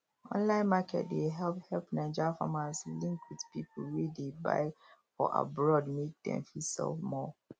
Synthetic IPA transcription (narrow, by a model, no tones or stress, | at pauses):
ʔɔ̰̃nlãɪ̃nmakʰɛ̰t̚deɦɛlp̚hɛlpnaɪd͡ʒafa̰maslĩŋkwidpipʰl̩wedeba̰ɪfɔʔa̰bɹɔdmek̚dɛ̰̃mfisɛ̰lfmɔ